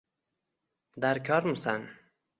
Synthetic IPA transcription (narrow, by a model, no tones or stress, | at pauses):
d̪aɾkʰɒɾmusan